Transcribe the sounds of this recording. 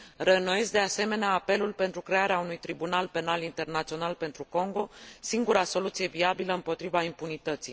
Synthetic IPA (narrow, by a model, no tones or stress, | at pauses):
renoje̞sd̪e̞ase̞me̞neaːpe̞lulpe̞nt̪ɾukɾe̞aɾeaunujt̪ɾibunalpe̞nalint̪e̞rnat̪sio̞nalpe̞nt̪ɾuko̞ŋɡo̞siŋɡuɾaso̞lut̪sije̞viabiləɨmpo̞t̪ɾivaimpunit̪ət̪sij